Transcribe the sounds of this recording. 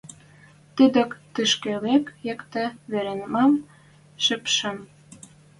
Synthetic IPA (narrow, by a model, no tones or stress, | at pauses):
t̪əd̪ə̆kt̪ɨʃkelekjĕkt̪ĕβeɾenmɑm | ʃəpʃə̆m